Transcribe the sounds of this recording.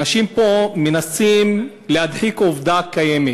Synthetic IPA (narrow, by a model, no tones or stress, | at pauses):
aʃimpo̞menasim | lehad̪ħikovd̪akajeme